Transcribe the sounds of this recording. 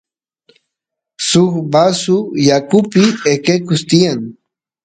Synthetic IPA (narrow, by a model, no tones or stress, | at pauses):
sʊkbasʊjakʊpɪekekʊst̪ɪjaŋ